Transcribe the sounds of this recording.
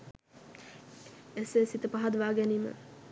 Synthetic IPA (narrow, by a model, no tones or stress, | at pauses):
esesit̪əpaɦad̪ʋaːɡɛniːmə̰